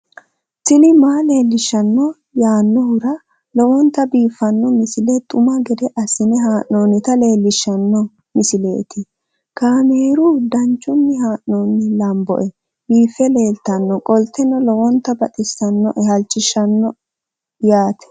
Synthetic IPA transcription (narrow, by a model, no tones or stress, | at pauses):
sɪlɪmaːle̞ːlːɪʃːɐnːɔ | jaːnːɔhʊɾɐ | lɔwɔnt̪ːɐbiːfːɐnːɔmɪsɪlɛt̪ʼʊmɐɡɛd̪ɛʔɐsɪnɛɦaːʔnoːnɪt̪ɐle̞ːlːɪʃːɐnːɔ | mɪsɪle̞̰ːt̪ɪ | kaːmeːɾʊd̪ɐnt͡ʃːʊnːɪɦaːʔnoːnːɪlɐmbɔ̰ʔɛ | biːfːɛleːlt̪ɐnːɔkʼɔlt̪ːɛnɔlɔwɔnt̪ːɐbɐt̪ʼɪsɐnːɔ̰ʔɛhɐlt͡ʃːɪʃːɐnːɔ | jaːt̪ɛ̥